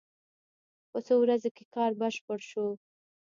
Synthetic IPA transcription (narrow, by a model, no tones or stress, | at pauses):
pəsowɾazokekɑɾbəʃpəɽʃo